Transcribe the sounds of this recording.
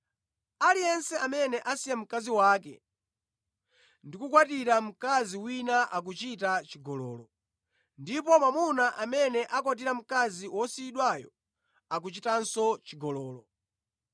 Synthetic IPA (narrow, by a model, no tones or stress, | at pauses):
alijɛnsɛamɛnɛʔasijɛm̩kaziwaːkɛ̰ | ndikukwatiɾam̩kaziwinaʔak̬ut͡ʃitat͡ʃiɡɔlɔ̰ːlɔ | ndipɔmamunaʔamɛnɛʔak̬wat̬iɾam̩kaziwɔsiːɗwajɔ | ak̬ut͡ʃitansɔt͡ʃiɡɔlɔːlɔ